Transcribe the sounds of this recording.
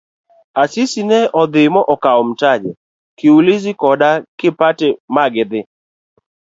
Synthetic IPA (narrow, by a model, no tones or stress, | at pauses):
asɪsinɛʔɔd̪ɪmɔʔɔkaɔm̩tad͡ʒɛ | kɪulɪzɪkɔdakɪpatɪmaɡɪd̪ɪ